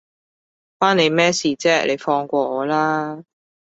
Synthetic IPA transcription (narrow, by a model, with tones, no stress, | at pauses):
paː˥nne˨˧jmɛː˥siː˨t͡sɛː˥lʔe˨˧jfɔː˧ŋkʷɔː˧ɔː˨˧laː˥